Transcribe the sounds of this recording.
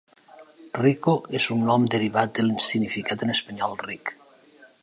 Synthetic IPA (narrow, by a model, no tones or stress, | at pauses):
rikoezunːɔmd̪eɾiβat̪̚d̪elinsinifikat̪enespaɲɔlˠrik